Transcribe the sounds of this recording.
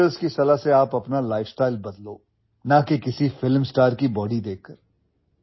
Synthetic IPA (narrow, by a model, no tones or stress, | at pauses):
əlskisɐlaɦseaːpɐpnalaːɪfsʈaːɪlbɐd̪loː | nakekɪsifɪlmsʈaːɾkibɔːɖid̪eːkːɐɾ